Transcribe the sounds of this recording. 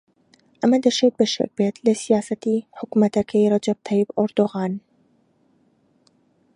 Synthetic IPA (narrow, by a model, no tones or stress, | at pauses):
ʔɐmad̪ɐʃeːt̪̚bəʃa̰k̚beːt̪ləsijaːsɐt̪iħʊkmɐt̪ɐkʰajɾˤɑd͡ʒɐb̚t̪ʰɑjɪbʔʊɾd̪oɣaːn